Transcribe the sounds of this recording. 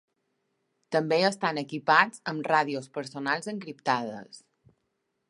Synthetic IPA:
t̪əmbeəst̪anəkipad͡zəmraðiospəɾsonalˠzəŋkɾipt̪að̞ə̰s

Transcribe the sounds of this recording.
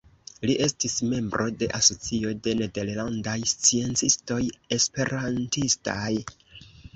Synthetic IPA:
liʔe̞stisme̞mbɾʔo̞de̞ʔaso̞t͡sio̞de̞ne̞de̞ɾlandajst͡sie̞nt͡sisto̞je̞spe̞ɾantista̰j

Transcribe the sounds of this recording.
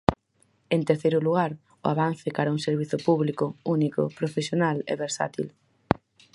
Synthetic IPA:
ent̪eɾθejɾʊluɣ̞aɾ | ʊaβan̟θɪkaɾauŋseɾβiθʊpuβlikʊunikʊ̰pɾofesjonalɛ̰βeɾsa̰t̪ḭl

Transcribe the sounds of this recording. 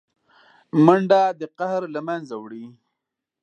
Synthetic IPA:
məɳɖad̪əqahɾlamanzawɽi

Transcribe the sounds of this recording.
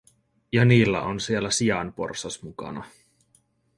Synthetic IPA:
jɑniːlːæ̰ʔonsielːæsiɑnpo̰rsɑsmukɑ̰nɑ

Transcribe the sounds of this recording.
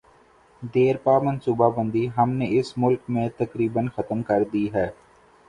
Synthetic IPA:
d̪eːɾpaːmɐ̃nsuːbabə̃nd̪iɦɐmneɪsmʊlkmẽt̪ɐkɾiːbənxɐt̪mkɐɾd̪iɦɛː

